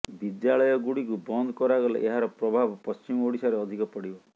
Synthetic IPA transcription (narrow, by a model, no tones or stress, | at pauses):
bid̪jaɭɔjɔɡuɽikubɔnd̪ʱɔkɔɾaɡɔlɔ̰ʔeɦaɾɔpɾɔbʱabɔpɔst͡ʃimɔoɽisaɾeɔd̪ʱikɔpɔɽibɔ